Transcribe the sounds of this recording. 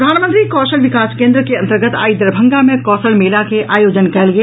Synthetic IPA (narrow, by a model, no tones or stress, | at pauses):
ɾəd̪ʱaːnmə̃nt̪ɾikɔːʃəlʋɪkaːskẽːnd̪ɾəkeɐ̃nt̪əɾɡət̪ʰa̰ːid̪ɾəbʱə̃ŋɡamẽkɔːʃəlmeːlakeaːjoːd͡ʒənkɛɦlɡɐe